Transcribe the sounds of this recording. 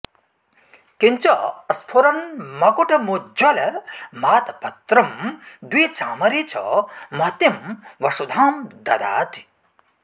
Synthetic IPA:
kiɲt͡ʃɐɐst̪ʰoɾɐnmɐkuʈɐmud͡ʒɐlɐmaːt̪ɐpɐt̪ɾɐmd̪wiːt͡ʃaːmɐɾit͡ʃʰɐ̰mɐt̪imʋɐʃud̪ʱaːmd̪ɐ̰d̪a̰ːt̪ʰi̥

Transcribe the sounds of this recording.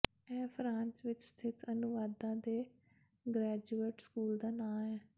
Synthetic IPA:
ɛ̃ːpʰɾãːnt͡ʃʋɪt͡ʃst̪ʰɪt̪ʰənʊʋaːd̪ãːd̪eː | ɡɾɛːd͡ʒueːʈskuːld̪aːnãːɛː

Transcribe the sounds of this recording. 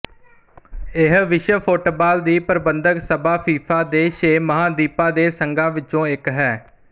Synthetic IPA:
ɪɦʋɪʃəpʰoːʈoːbaːld̪iːpəɾbənd̪əksəbaːpʰiːpʰaːd̪eːʃeːməɦãːd̪iːpaːd̪eːsəŋɡãːʋɪt͡ʃõːɪkɦɛː

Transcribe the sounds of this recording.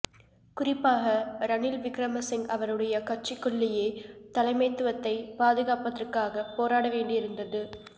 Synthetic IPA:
kʊrɪpːaːɣɐɾɐnɪlʋɪkɾɐmɐsɪŋɡɐʋɐɾɯɽɐjɐkɐrt͡ʃːɪkːʊɭːɪjeːt̪ɐlɐɪmɐɪt̪ːɯʋɐt̪ːɐɪpaːðɯɣaːpɐt̪ːɪrkaːɣɐpːoːɾaːɽɐʋeːɳɖɪɪɾɯnd̪ɐðɯ

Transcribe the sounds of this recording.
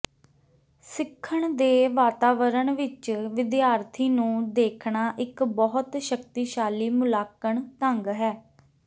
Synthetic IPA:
sɪkʰːəɳd̪eːʋaːt̪aːʋəɾəɳʋɪt͡ʃʋɪd̪jaːɾt̪ʰiːnũːd̪eːkʰɳaːʔɪkbɔɦʊt̪ʃəkt̪iːʃaːliːmʊlaːkəɳt̪əŋɡɦɛː

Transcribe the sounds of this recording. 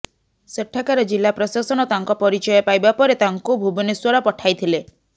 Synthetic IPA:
seʈʰːakaɾɔd͡ʒilːapɾɔsasɔñɔt̪aŋkɔpɔɾit͡ʃɔjɔpajbapɔɾet̪aŋkubʱubiniswɔɾɔpɔʈʰajt̪ʰile

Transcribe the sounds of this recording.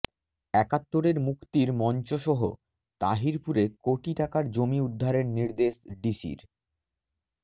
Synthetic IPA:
ɛkat̪ːoɾeɾmukt̪iɾmɔnt͡ɕoʃɔɦo̰ | t̪aɦiɾpuɾekoʈiʈakaɾd͡ʑomiud̪ʱːaɾeɾniɾd̪eʃɖiʃḭɾ

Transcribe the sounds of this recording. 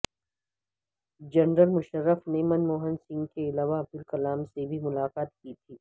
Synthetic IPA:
d͡ʒɐnɾəlmʊʃəɾːəfneːmənmoːɦənsɪ̃ŋɡkeɪlaːʋaɐb̚d̪ɪlkɐlaːmsebʱimʊlaːkaːt̪̚kit̪ʰiː

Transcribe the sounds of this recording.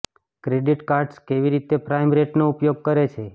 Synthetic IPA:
kɾeɖiʈkaɾɖskeʋiɾit̪epɾajmɾeʈnoupjoɡ̚kəɾet͡ʃʰe

